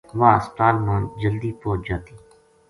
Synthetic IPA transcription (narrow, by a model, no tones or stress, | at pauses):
ʋaːsʈaːlmaːnd͡ʒəld̪iːpoːt͡ʃd͡ʒaːt̪iː